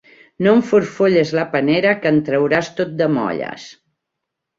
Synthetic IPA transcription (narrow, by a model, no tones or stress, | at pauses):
noɱfuɾfoʎezləpəneɾəkənt̪ɾəwɾast̪ot̪̚d̪əmɔ̰ʎə̰s